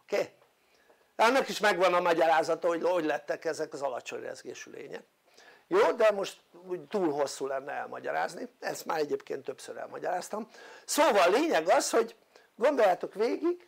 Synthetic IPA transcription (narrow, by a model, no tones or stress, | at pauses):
okeː | ɒnːɒkiʃmɛɡʋɒnɒmɒɟɒɾaːzɒt̪ɒooɟlɛt̪ːɛkɛzɛkɒzɒlɒt͡ʃo̞̰ɲrɛ̰zɡeːʃylḛːɲɛ̰k | joːd̪ɛmo̞ʃt̪uːɟt̪uːlɦo̞sːuːlɛnːɛɛ̰lmɒɟɒɾa̰ːzniɛst̪ma̰ːɾɛɟeːpkeːnt̪ːøpsøɾɛ̰lmɒɟɒɾaːst̪ɒmsoːvɒlːeːɲɛɡɒsho̞ɟ | ɡo̞nd̪o̞jːaːt̪o̞kʋeːɡiɡ